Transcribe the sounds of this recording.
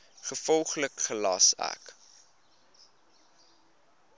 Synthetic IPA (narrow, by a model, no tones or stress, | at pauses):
χəfɔlˠχləkχəlɑsæ̰k